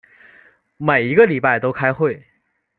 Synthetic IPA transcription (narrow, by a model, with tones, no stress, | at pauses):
me˨˩ɪi˧˥ɡə˧li˨˩pa˥˩ɪt̪o˥ʊkʰa˥ɪxwe˥˩ɪ